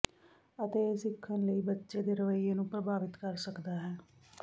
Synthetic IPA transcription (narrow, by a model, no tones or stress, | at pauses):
ət̪eːsɪkʰːənləiːbətːʃeːd̪eːɾəʋəiːeːnũːpɾəbaːʋɪt̪kəɾsəkd̪aːɦɛː